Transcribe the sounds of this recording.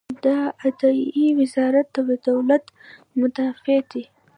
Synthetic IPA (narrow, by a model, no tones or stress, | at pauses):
d̪aad̪ɑiwɪzɑɾat̪awad̪awlat̪ | mʊd̪afed̪i